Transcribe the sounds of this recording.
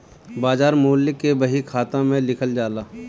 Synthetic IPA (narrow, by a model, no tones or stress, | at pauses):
baːd͡ʒaːɾmoːlːɪkːebɐɦikʰaːt̪ãmẽlɪkʰəld͡ʒaːlaː